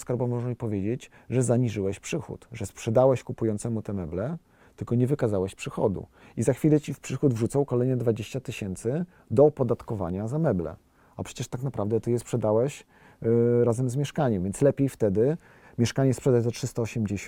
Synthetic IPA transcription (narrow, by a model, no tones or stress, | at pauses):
skaɾbɔmːɔʐamipɔvʲjed͡ʑed͡ʑ | ʐɛzaɲiʐɘwɛɕpʂɘxṵt̪ʐɛspʂɛd̪awɛɕkupujɔnt̪sɛmut̪ɛmɛblɛ | t̪ɘlkɔɲɛvɘkazawɛɕpʂɘxɔ̰d̪ṵizaxfʲilɛt͡ɕifpʂɘxud̪vʐut̪sawkɔlɛjnɛd̪vad͡ʑeɕt͡ɕat̪ɘɕɛnt̪sɘ | d̪ɔpɔd̪at̪kɔva̰ɲazamɛblɛ̰ | apʂɛ̥t͡ɕɛʂt̪aknapɾavd̪ɛt̪ɛjɛspʂɛd̪awɛɕ | ɾazɛmzmʲjɛʂkaɲɛmvʲjɛntslɛpʲejft̪ɛd̪ɘ | mʲjɛʂkaɲɛspʂɛd̪ad͡ʑzatʂɘst̪aɔɕɛmd͡ʑe